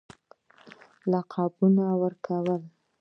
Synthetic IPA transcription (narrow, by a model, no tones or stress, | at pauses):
laqʰɑbunawəɾkʰawəl